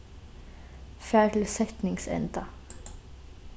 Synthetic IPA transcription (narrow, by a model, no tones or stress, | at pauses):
fæːl̩sɛt̪nɪŋsɛ̰nd̪ɑ